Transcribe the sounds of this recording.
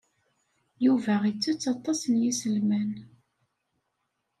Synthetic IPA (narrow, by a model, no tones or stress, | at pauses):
juvæʁit͡sːut͡sːɑt̪ˤːɑsənjisəlmæn